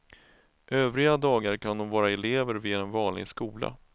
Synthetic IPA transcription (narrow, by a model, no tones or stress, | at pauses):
ʔøːvɾɪɡad̪ɑːɡaɾkʰand̪ɔmvɑːɾaɛleːvəɾvɪɛnvɑːnlɪ̰ɡskuːla̰